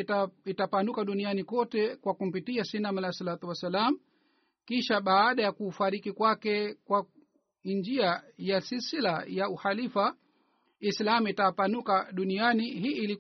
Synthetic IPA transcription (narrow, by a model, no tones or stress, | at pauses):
itapanukaɗunianikɔtɛkwakum̩pitiasinamalasalat̪uwasalamu | kiʃaɓaːɗajakuːfaɾikikwakɛkwa | nd͡ʒiajasisilajauhalifa | islamuitapanukaɗunianihiːʔːli